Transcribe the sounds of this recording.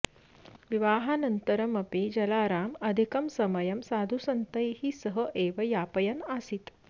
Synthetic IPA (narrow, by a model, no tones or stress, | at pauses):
ʋiʋaːɦaːnɐnt̪ɐɾɐmɐpeːd͡ʒɐlaːɾaːmɐd̪ʱikɐmsɐmɐjɐmsaːd̪ʱusɐnt̪ɐjhisɐɦɐʔeːʋɐjaːpɐjɐnaːsit̪